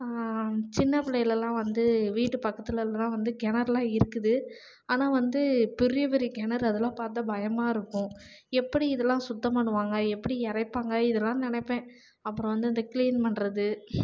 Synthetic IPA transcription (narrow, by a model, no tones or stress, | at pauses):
t͡ʃɪnːɐpɪlɐjɪlɛlːãːʋɐnd̪ɯʋiːʈːɯpɐkːɐt̪ːɪlɛllãːʋɐnd̪ɯɡɛnɐɾlãːɪɾɯkːɯðɯ | aːnaːʋɐnd̪ɯpɪɾɪjɐpɛɾiɡɛnɐɾɐðɯlãːpaːɾt̪̬ːɐbɐjɐmaːɪɾɯkːʊ̃ | ɛpːɐɽiɪðɛlːãːsʊt̪ːɐmpɐɳːɯʋaːŋɡɐɛpːɐɽiɛɾɐɪpːaːŋɡɐɪðɛlːãːnɪnɛɪpːẽː | ɐpːɯɾɔ̃ʋɐnd̪ɯɪnd̪ɐkliːnpɐɳːɾɐðɯ